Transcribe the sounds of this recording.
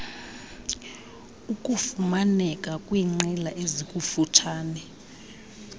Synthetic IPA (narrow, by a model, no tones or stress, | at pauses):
ukʼufumanɛkʼakʼwiŋ͡ǀɛlaʔezikʼufutʰaːnɛ